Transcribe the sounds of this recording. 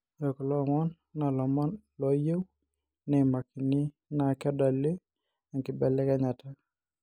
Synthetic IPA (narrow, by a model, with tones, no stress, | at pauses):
o˨kɔ˨lɔ˦˨ŋɔ˦n | na˨lɔ˨mɔ˦nlɔ˨je˦w | nɛ˨ma˨ki˨ni˦ | na˨kɛ˦da˨li˦ | a˨ŋkɪ˨bɛ˨lɛ˦kɛ˦ɲa˨ta˦